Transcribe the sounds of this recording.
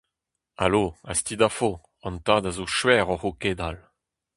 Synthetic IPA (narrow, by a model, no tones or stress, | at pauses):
a̰loast̪id̪afo | ɑ̃nt̪aːd̪azoʃwɛːʁɔʁoked̪al